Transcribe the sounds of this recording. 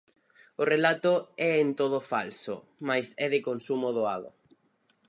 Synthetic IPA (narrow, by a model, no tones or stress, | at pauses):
ʊrelat̪ʊɛent̪oðʊfalsʊ̰ | majsɛðɪkonsumoðoa̰ðʊ̰